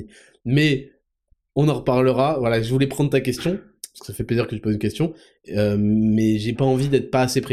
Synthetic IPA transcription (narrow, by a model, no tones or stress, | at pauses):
mɛ | ɔ̃nɑ̃ʁpaʁləʁavwalaʒəvulɛpχɑ̃d̪ʁət̪akʲɛst̪jɔ̃pasəkə̥safɛpleziʁkət̪ypozynkʲɛst̪jɔ̃ | ømɛʒepaɑ̃vid̪ɛt̪χə̥paːsepχe